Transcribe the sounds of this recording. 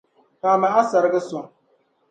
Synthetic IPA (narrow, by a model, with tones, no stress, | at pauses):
kaː˨ma˨ʔa˦sa˨ɾɨ˦ɡɨ˦sʊ˨ŋ